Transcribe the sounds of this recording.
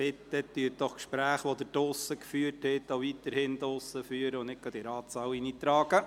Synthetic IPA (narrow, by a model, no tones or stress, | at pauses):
ɪt̪ːɛt̪ːyət̚d̥ɔχkʃpɾæːχʋod̪ədʊsəkfyːərthɛt̪oʊʋit̪əɾhɪnd̪ʊsəfyːəɾəʊnnɪt̚kɑd̥̪iɾɑːt͡sɑwinit̪ɾɑːɡ̥ə